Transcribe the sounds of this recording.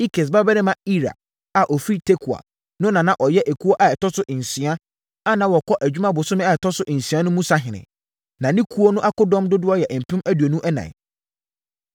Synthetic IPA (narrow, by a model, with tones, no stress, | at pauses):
i˦kʰe˨s̬ba˦bɛ˦nɪ̃˦mã˦i˦ɾa̰˨ | a˨ʔɔ˨fi˦tʰe˦kʰu˨a̰˨ | nʊ̃˦nã˨nã˦ʔɔ˨jɛ˦ʔæ˨kʰu˦o˦ʔa˨ɛ˨tɔ˦sʊ˦ʔɪ˨n̩˨sĩ˨˦a˦ | a˦nã˨wɔ˨kʰɔ˦ʔæ˨d͡ʑᶣu˦mã˦bʊ˨sʊ̃˦mɪ̃˦a˨ɛ˨tʰɔ˦sʊ˦ʔɪ̃˨n̩˨si˨ã˦nʊ̃˦mũ˦sa˦ɦɪ̃˨nɪ̰̃˨ | nã˨nɪ̃˦kʰu˦o˦nʊ̃˦ʔa˦kʊ˦dɔ̃˦mdʊ˦dʊ˦ɔ˦jɛ˨ʔm̩˨pʰĩ˦mæ˦du˨æ˨nũ˦ʔɛ˦nã̰˨